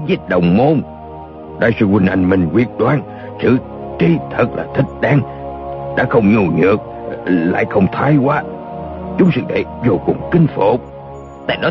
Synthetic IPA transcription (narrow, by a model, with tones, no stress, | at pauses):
zi˦˥t̚ɗə̰˧˨wŋ͡mmo˧n | ɗa̰ː˧˩jsɨ˧wï˧˩ŋ̟ʔa˧˩jŋ̟mï˨˩ŋ̟kwi˨˩ət̚ɗwaː˧n | sɨ̰˧˨ | t͡ɕi˧t̪ʰə˨˩k̚la̰ː˨˩t̪ʰï˨˦˥k̟̚ɗaː˧ŋ | ɗa̰ː˧˥xə˧wŋ͡mɲu˨˩ɲɨ̰˨ək̚la̰ː˧˨jxə˧wŋ͡mt̪ʰa˧jkwaː˧ | t͡ɕʊ˨˦ŋ͡msɨ̰˧˥˩t̪ʰḛ˧˩zo˨˩kʊ˨˩ŋ͡mkï˧ŋ̟fo˧˨ | t̪a̰ː˧˨jɗɔ˨˦